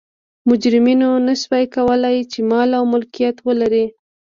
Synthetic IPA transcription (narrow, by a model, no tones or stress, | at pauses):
mʊd͡ʒɾɪminonaʃwajkawəlajt͡ʃemɑlawmʊlkijat̪wəlaɾi